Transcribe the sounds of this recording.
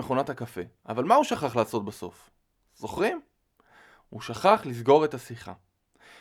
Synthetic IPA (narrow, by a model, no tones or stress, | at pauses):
eχo̞natakafe̞ʔavalmauʃaχaχlaːso̞t̚baso̞̰f | z̥o̞χʁim | huʃaχaχlizɡo̞ʁe̞tasiχa̰